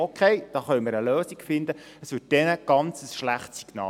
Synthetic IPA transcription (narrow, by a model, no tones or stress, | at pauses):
okʰeɪd̥ɑːχœʏmɪɾəløːsiɡfɪnd̪ə | əsʋɪːt̚d̥ɛnəɡ̥ɑnt͡səsʃlæχtsi̥ɡ̥nɑ̰ː